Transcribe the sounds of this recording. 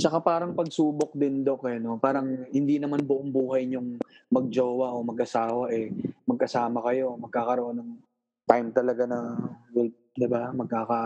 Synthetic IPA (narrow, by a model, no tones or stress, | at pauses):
t͡ʃɐkapaːɾɐŋpɐɡ̚suːbok̚d̪ɪnd̪okɛno̞paːɾɐŋhɪnd̪iːnɐmanbʊʔoŋbuːɦɐjɲʊŋ | mɐɡ̚d͡ʒoːwɐʔo̞mɐɡʔɐsaːwɐʔɛmɐɡ̚kɐsaːmɐkɐjo̞mɐɡ̚kaːkɐɾoʔonːɐŋ | t̪ajmt̪ɐlɐɡanɐɡɛl | d̪ɪbamɐɡ̚kaːka